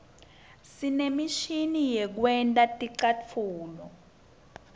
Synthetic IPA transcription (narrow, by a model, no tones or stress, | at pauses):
sinemiʃinijɛk̬wɛntʼatʼiǀat͡fʰuːlɔ